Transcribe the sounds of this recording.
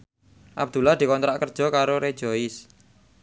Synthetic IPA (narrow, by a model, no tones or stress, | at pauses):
ʔa̰b̚d̪̥ṳlahd̪̥i̤kɔnt̪ɾaʔkərd̥ʒ̥ɔ̤kaɾoɾed̥ʒ̥ɔ̤ɪs